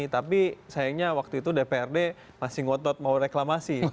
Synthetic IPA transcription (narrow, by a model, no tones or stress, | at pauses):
t̪apisajaŋɲawak̚t̪uit̪udepeɛrde | masɪhŋɔt̪ɔt̪̚mauɾeklamasi